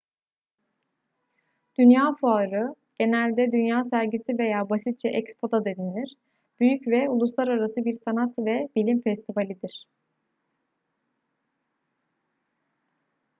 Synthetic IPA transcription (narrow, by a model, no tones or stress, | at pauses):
d̪̥ynjaːfuaːɾɯ | ɟ̥e̞nælʲd̪ɛd̪ynjaːsæɾɟisive̞jaːbasit̪̚t͡ʃʰɛʔɛcspʰo̞d̪ad̪ed̪inlʲiɾ̥ | b̥yjycvɛulˠuslˠaɾaɾasɯbiɾsanat̪vɛbilʲimfɛst̪ʰivalʲid̪iɾ̝̥